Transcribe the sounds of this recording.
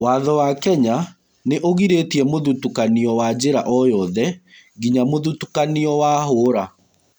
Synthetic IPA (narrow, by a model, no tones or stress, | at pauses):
waːðɔwakɛɲa | neʔoɣiɾetiɛmoðutukaniɔwad͡ʑeɾaʔɔjɔðɛ | ɣiɲamoðutu̥kaniɔwaɦoːɾa